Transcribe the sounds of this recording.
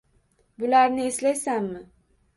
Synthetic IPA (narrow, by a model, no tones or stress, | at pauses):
bulaɾnɪislajsammɪ